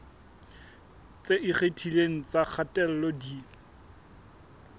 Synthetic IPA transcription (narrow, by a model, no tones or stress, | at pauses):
t͡seʔɪχetʰileŋ̩t͡sak͡xʰatʼɛl̩lɔdi